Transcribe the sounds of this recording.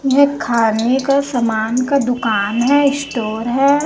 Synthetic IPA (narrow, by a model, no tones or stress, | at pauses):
jɐɦɛ̃kʰaːnekasɐmaːnkad̪ʊkaːnɦɛɪsʈoːɾɦɛ